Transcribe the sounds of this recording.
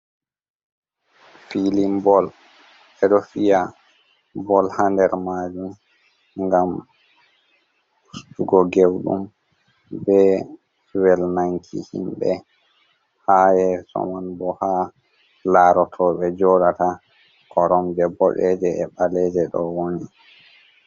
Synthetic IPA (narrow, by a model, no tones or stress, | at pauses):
filimbɔl | ɛɗɔfija | bɔlhandɛɾmaːd͡ʒum | ŋɡam | ustuɡɔɡewɗṵm | bɛ | wɛlnaŋkʰḭhḭmbɛ | hajɛsɔ̰manbɔha | laɾɔtʰɔɓɛd͡ʒɔɗata | kʰɔɾɔmd͡ʒɛbɔɗɛd͡ʒɛɛɓalɛd͡ʒɛɗɔwoni